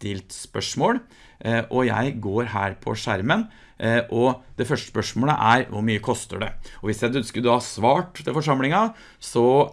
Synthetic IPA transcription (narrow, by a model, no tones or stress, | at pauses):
t̪ɪlt̪spœʂmoːl | ʔɔjæ̰ɪɡoːɾɦæːɾpʰɔ̰ʂæɾmən | ʔɔd̪̥ɛfœʂəspœʂmoːlə̰ʔæɾʋʊ̰ɾmyːəkʰɔst̪ə̰ɖɛ̰ɔʋɪsjæɪd̪ʉnskəɾd̪ʉhɑsʋɑːʈt̪ʰɪlfɔʂɑmlɪŋɑ | sɔ